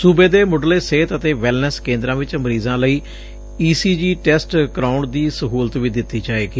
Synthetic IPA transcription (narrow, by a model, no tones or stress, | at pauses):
subeːd̪eːmʊɖleːseːt̪ət̪eːʋɛlnəskẽːnd̪ɾãːʋɪt͡ʃəməɾiːzãːləiː | iːsiːd͡ʒiːʈɛːsʈkɾaːʊɳɖd̪iːsəɦuːlt̪ʋiːd̪ɪt̪ːiːd͡ʒaːeːɡiː